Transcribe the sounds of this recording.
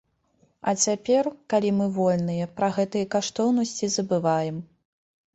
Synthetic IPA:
ɐ̰t͡sʲapʲɛrkalʲimɨvɔlʲnɨjɐpɾɐɣɛt̪ɨjɐkaʂt̪ɔwnɐsʲt͡sʲizɐbɨvajɛm

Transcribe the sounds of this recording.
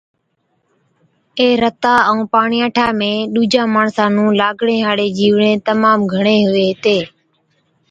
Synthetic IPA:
eːɾət̪aːə̃ːpaːɳiːãːʈʰaːmẽːɗuːd͡ʒaːmaːɳsãːnũːlaːɡɳẽːɦaːɽeːd͡ʒiːʋɳẽːt̪əmaːmɡʱəɳeːɦʊeːɦɪt̪eː

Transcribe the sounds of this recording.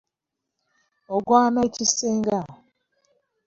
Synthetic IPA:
ɔɡɔamat͡ʃiseŋɡa

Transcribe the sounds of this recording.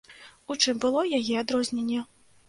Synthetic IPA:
ut͡ʂɨmbɨlˠɔjajɛad̪ɾɔzʲnʲenʲːɛ

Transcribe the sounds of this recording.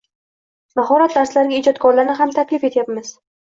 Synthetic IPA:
baɦɒɾat̪d̪aɾslaɾɪɡʲaid͡ʒɒt̪kʰɒɾlaɾnɪɦamt̪ʰakʲlɪfe̞t̪ʰjapmɪz̥

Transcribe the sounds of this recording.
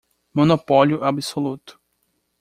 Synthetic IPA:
mõnopɔljʊɛabisolut̪ʊ̥

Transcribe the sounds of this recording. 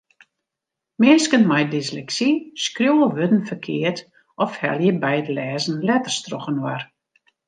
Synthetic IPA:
mɪəskənmajdɪslɛksiskrjoːəʋødn̩fərkʰɪərt | ɔfhɛ̰lˠjəbɛjətlɛːzn̩lɛtərstrɔxənwa̰r

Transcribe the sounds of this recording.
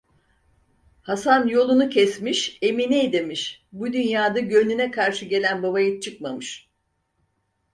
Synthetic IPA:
hasanjo̞lˠunucʰɛsmiʃe̞minijd̪emiʃbud̪ynjaːd̪aɟønynɛkʰaɾʃɯɟe̞lʲænbaβajɯt͡ʃʰɯkmamɯʃ

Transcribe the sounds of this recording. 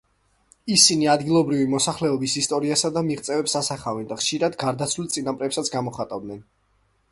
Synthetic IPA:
isiniad̪ɡilˠɔbɾivimɔsaχlɛɔbisist̪ʼɔɾiasad̪amiʁt̪sʼɛvɛpsasaχavɛnd̪aχʃiɾad̪ɡaɾd̪at̪sʰvlilt̪sʼinapʼɾɛpsat̪sʰɡamɔχat̪ʼavd̪nɛn

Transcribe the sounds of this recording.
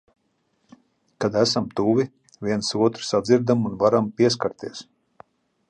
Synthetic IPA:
kad̪æsamt̪uːvʲi | vʲiɛnsuɔt̪ɾ̥sad̪ziɾd̪amunvaɾampʲiɛs̬kaɾt̪iɛs

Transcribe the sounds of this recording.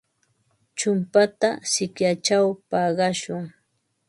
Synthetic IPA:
t͡ʃʊmpat̪asɪkjat͡ʃawpɑɢɑʃʊŋ

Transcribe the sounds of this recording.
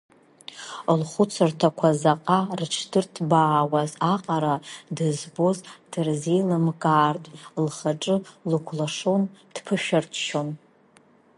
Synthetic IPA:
lχʷʊt͡sʰɨrtʰakʷʰazaqʼarʈ͡ʂʰdɨrtʰbaːwazaqʼaɾadɨzbozd̥ɨrzejlɨmkʼaːrtʼlχaʈ͡ʂʼɨlɨkʷʰlaʂond̥pʰɨʃᶣartʰʃon

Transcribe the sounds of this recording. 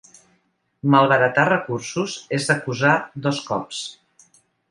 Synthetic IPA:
məlˠβəɾət̪arəkursuzezd̪əkuzad̪ɔskɔps

